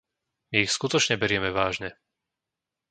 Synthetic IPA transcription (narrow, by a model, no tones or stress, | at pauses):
miixskut̪ɔt͡ʃɲɛbɛɾɪɛmɛʋaːʒɲɛ